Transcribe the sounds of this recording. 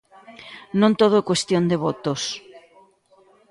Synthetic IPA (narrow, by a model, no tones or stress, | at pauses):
nõnt̪oð̞oɛkwest̪jond̪eβot̪os